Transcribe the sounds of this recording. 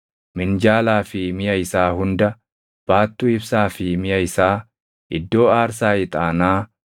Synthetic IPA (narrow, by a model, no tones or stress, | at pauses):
mɪnd͡ʒaːlaːfɪmɪjɐɪsaːhʊnd̪ɐ | b̥aːt̪ːʊɪbsaːfɪmɪjɐɪsaː | ʔɪd̪ːo̞ːaːɾsaːɪt̪ʼaːnaː